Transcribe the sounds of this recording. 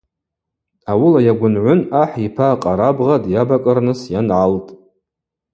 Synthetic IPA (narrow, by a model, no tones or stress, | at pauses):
awʊlajaɡʷʊnʕʷʊnaħipʰaqʼaɾabʁadjabakʼɨrnɨsjanʕaltʼ